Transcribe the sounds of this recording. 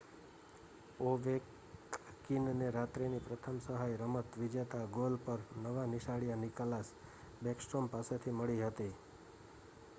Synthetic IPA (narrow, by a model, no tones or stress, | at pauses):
oʋek | kinneɾat̪ɾinipɾət̪ʰəmsəɦajɾəmət̪ʋid͡ʒet̪aɡolpəɾnəʋanɪʃaɭijaniklas | bɛksʈɾompaset̪ʰiməɭiɦət̪i